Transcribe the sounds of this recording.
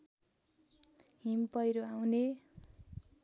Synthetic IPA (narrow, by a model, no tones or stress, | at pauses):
ɦimpʌjɾoaw̃ne